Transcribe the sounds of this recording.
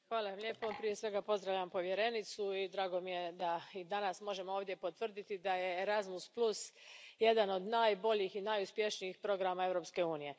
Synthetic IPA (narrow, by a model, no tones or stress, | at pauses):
xʋaːlaʋamʎʲe̞ːpopɾije̞sʋe̞ɡapo̞zd̪ɾaʋʎampo̞ʋje̞ɾe̞nit̪suid̪ɾaːɡo̞mije̞d̪aid̪anasmo̞ʒe̞moo̞ːvd̪je̞po̞t̪ʋr̩d̪it̪id̪aje̞ːɾazmusplˠusje̞d̪ano̞d̪naːjbo̞ʎixinaːjuspje̞ʃniixpɾo̞ɡɾamae̞vɾo̞pske̞uːnije̞